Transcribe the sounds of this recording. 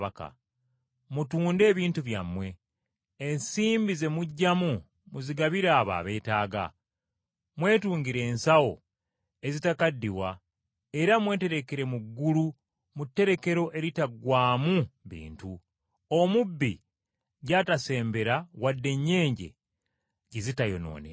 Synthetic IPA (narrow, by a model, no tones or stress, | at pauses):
aka̰ | mutuːnde̞ːβiːntuβja̰mwe̞ː | nsiːmbize̞muɟːamu | muziɡaβiɾaːβa̰ːβe̞ːtaːɡa̰ | mwe̞ːtuːɲɡiɾe̞ːnsawo̞̰ | e̞zitakadːiwa̰ | e̞ɾamwe̞ːte̞ɾe̞ke̞ɾe̞muɡːulu | mutːe̞ɾe̞ke̞ɾo̞ʔe̞ɾitaɡwaːmuβḭːntu | omubːi | ɟatase̞ːmbe̞ɾawadːe̞ɲːe̞ːɲɟe̞̰ | ɟizitajo̞̰no̞̰ːnḛ